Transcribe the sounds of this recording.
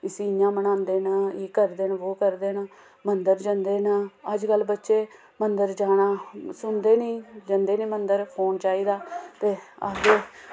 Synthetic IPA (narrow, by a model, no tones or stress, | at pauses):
ɪsiːjãːmənãːnd̪eːnaeːkəɾd̪eːnoːkəɾd̪eːnaː | mənd̪əɾd͡ʒənd̪eːnaːəd͡ʒkəlbətːʃeː | mənd̪əɾd͡ʒaːɽaːsʊnd̪eːnĩːd͡ʒənd̪eːnĩːmənd̪əɾpʰoːnt͡ʃaːiːd̪aːt̪eːə̰ɡeː